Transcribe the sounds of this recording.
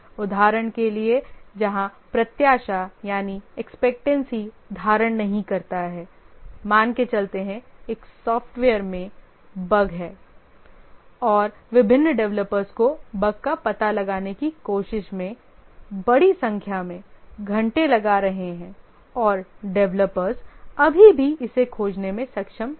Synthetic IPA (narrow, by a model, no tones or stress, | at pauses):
ʊd̪ʱaːɾəɽ̃kelied͡ʒɐɦãpɾɐt̪jaːʃajaːniɛkspɛk̚ʈɛ̃nsɦi | d̪ʱaːɾəɽ̃nɐɦĩkɐɾt̪aɦɛːmaːnket͡ʃɐlt̪eɦɛ̃eːksɔːfʰʈʋeːəɾmẽ | bɐɡɦɛː | ɔːɾ | ʋɪbʱɪ̃nːɖɛʋləpəɾzkobɐɡ̚kapɐt̪alɐɡaːnekikoːʃɪʃmẽ | bɐɽisɐ̃ŋkʰjamẽɡʱɐ̃ɳʈelɐɡaɾɐɦeɦɛ̃ː | ɔːɾɖɛʋləpəɾzɐbʱibʱiɪsekʰoːd͡ʒnemẽsɐkʃəm